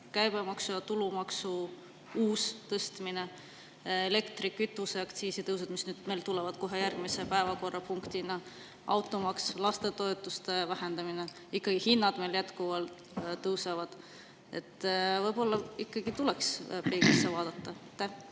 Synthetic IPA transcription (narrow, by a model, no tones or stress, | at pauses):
kæjb̥emɑksujɑt̪ulumɑksu | uːst̪ɤst̪mine | ele̞kt̪rikːyt̪ːˑuseɑkt̪siːsit̪ɤws̬ɑd̪̥misnyːd̪̥me̞jlt̪ulɛvɑd̪̥̚ko̞ɦe̞jærɡ̥mise̞pæevɑko̞rːɑpuŋkt̪inɑ | ʔɑwt̪ːˑo̞mɑkslɑst̪e̞t̪o̞et̪ːˑust̪evæɦend̪ɑmine | ikːɑɡ̥ihinːɑd̪̥me̞ljæt̪kuvɑlt̪ː | ɤwsɑvɑd̪̥ | e̞̰t̪ːˑvɤjbo̞lːɑikːɑɡ̥it̪ulekspeːɡ̥isːevɑːd̪̥ɑt̪ːɑt̪ːe